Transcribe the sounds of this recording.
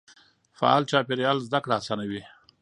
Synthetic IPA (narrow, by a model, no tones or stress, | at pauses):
fa̰ɑ̰lt͡ʃɑpeɾjɑlzd̪akɽaːsɑnawi